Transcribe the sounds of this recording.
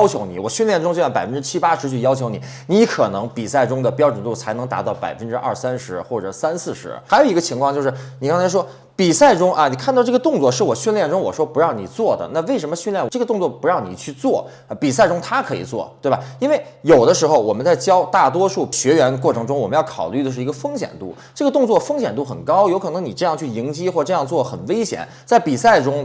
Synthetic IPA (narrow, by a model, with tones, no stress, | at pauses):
ʊt͡ɕʰjo˧˥ʊnḭ˨˩wɔ˨˩ɕy˥˧nljɛ˥˩nʈ͡ʂʊ˥ŋt͡ɕo˥˧˩jpa˨˩ɪfə˦nʈ͡ʂɻ̩˥t͡ɕʰi˥pa˥ʂɻ̩˧˥t͡ɕʰy˥˩jɑ˥ʊt͡ɕʰjo˧˥ʊni˨˩˦ | ni˧˥kʰɤ˨˩nɤ˧˥ŋpi˨˩sa˥˩ɪʈ͡ʂʊ˥ŋd̪ə˨˩pjɑ˥ʊʈ͡ʂə˨˩nt̪u˥˩t͡sʰa˧˥ɪnɤ˧˥ŋt̪a̰˧˥t̪ɑ˥˩ʊpa˨˩ɪfə˥nʈ͡ʂɻ̩˥ʔɐ̰˥˩sa˥nʂɻ̩˧˥xwɔ˥˩ʈ͡ʂɤ˨˩sa˥nsɹ̩˥˩ʂɻ̩˧˥˧jo˨˩i˧˥ɡə˧t͡ɕʰi˧˥ŋkʰwɑ˥˧t͡ɕo˥˧ʂɻ̩˥˩ni˨˩kɑ˥ŋt͡sʰa˧˥ɪʂwɔ˥ | pi˨˩sa˥˩ɪʈ͡ʂʊ˥ŋʔə˧ni˨˩kʰnt̪ɑ˥˧ʊʈ͡ʂɤ˥˩ɡə˧t̪ʊ˥˧ŋt͡swɔ˥˧ʂɻ̩˥˩wɔ˨˩ɕy˥˧nljɛ˥˩nʈ͡ʂʊ˥ŋwɔ˨˩ʂwɔ˥pu˧˥ɻɑ˥˩ʊni˨˩t͡swɔ˥˩d̪ə̰˩na˥˧we˥˩ɪʂə˧˥mə˧ɕy˥˧nljɛ˥˩n˧ʈ͡ʂɤ˥˩ɡə˩t̪ʊ˥˧ŋt͡swɔ˥˩pu˧˥ɻɑ˥˩ʊnḭ˨˩t͡ɕʰy˥˧t͡swɔ˥˩ | ə˧˩pi˨˩sa˥˩ɪʈ͡ʂʊ˥ŋt̪ʰa˥kʰɤ˧˥ḭ˨˩t͡swɔ̰˥˩t̪we˥˩ba˩i˥nwe˥˩ɪjo˨˩ʊd̪ə˦ʂɻ̩˧˥xo˥˧ʊwɔ˨˩mə˦nt͡sa˥˩ɪt͡ɕjɑ˥ʊt̪a˥˩t̪wɔ˥ʂu˥˩ɕɥɛ˧˥ɥɛ˧˥nkwɔ˥˩ʈ͡ʂʰɤ˧˥ŋʈ͡ʂʊ˥ŋwɔ˨˩mə˦njɑ˥˩kʰɑ̰˨˩ʊly˥˩ə˩ʂɻ̩˥˩i˧˥ɡə˧fɤ˥ŋɕjɛ̰˨˩nt̪ṵ˥˩ | ʈ͡ʂɤ˥˩ɡə˩t̪ʊ˥˧ŋt͡swɔ˥˩fɤ˥ŋɕjɛ˨˩nt̪u˥˩xə˨˩nkɑ˥ʊjo˧˥ʊkʰɤ˨˩ɤ˧˥ŋni˨˩ʈ͡ʂɤ˥˧jɑ˥˧ŋt͡ɕʰy˥˩i˧˥ŋt͡ɕi˥xwɔ˥˩˧ʈ͡ʂɤ˥˧jɑ˥˧ŋt͡swɔ˥˩ə˩xə˨˩nwe˥ɪɕjɛ̰˨˩˦n | t͡sa˥˩ɪpi˨˩sa˥˩ɪʈ͡ʂʊ˥ŋ